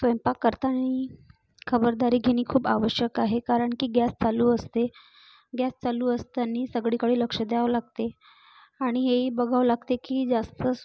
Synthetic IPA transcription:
sʋəjmpakːəɾt̪añi | kʰəbəɾd̪aɾiːɡʱeñiːkʰuːba̰ʋəɕjəkaɦekaɾəɳkiːɡjast͡saluːəst̪e | ɡjast͡saluːəst̪aniːsəɡɭiːkəɭiːləkʂəd̪eaʋlaɡ̚t̪e | aɽ̃iɦeɦiːbəɡʱaʋlaɡt̪ekiːd͡zast̪ə

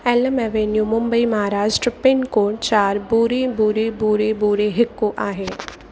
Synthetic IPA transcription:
ɛləmɛʋenjuːmʊ̃mbəimɐɦaɾaːd͡ʒʈɾəpɪnkoːʈt͡ʃaːɾbuːɾebuːɾebuːɾebuːɾeɦɪkːoʔaːɦeː

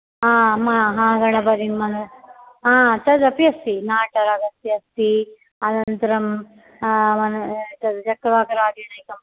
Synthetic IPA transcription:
aːmɐɦãːɡɐɳɐbɐɾinmɐnɐ | aːt̪ɐd̪ɐpiɐst̪inaːʈɐɾɐɡɐst̪iɐst̪i | ɐd̪ɐnt̪ɐɾɐm | mɐnɐt̪ɐd̪t͡ʃɐkːɐʋaːkɐɾaːɡeːɳɐjkɐm

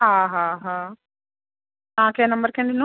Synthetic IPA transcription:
ɦaːɦãːɦaː | naːkeːnɐmbɐɾkeɳɖinu

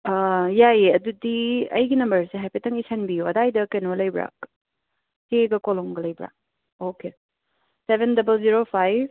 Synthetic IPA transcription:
jaeɐdudiɐ̰jɡinɐmbɐɾseɦapitɐŋisanbijoɐdajdɐkenolɐjbɾa̰k | teɡɐkɔlɔŋɡɐlɐjbɾa̰k̚ | oke | sebʱendɐbəlziɾopʰajb

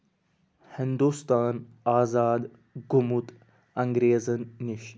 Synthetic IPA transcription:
hɪnd̪uːst̪aːn | aːzaːd̪ | ɡumut̪ | ɐŋɡɾeːzənːiʃ

